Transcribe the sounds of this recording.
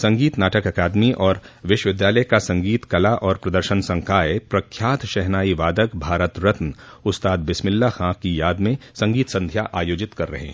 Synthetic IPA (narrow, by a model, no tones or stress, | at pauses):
sɐ̃ŋɡiːt̪naːʈəkɐkaːd̪miʔɔːɾʋɪʃwəʋɪd̪jaːləjkasɐ̃ŋɡiːt̪kɐlaʔɔːɾpɾɐd̪əɾʃənsɐ̃ŋkaːepɾɐkʰjaːt̪ʃɛɦnaːiʋaːd̪əkbʱaːɾət̪ɾɪt̪n | ʊt̪st̪aːd̪̚bɪsmɪlːaxãkijaːd̪mẽsɐ̃ŋɡiːt̪sɐ̃nd̪ʱjaʔaːjoːd͡ʒɪt̪kɐɾːɐ̰ɦḛ̃ɦ